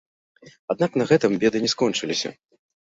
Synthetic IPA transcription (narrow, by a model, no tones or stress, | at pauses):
ad̪̚naknɐɣɛt̪ɨmbʲɛd̪ɨnʲɛskɔnt͡ʂɨlʲisʲɐ̰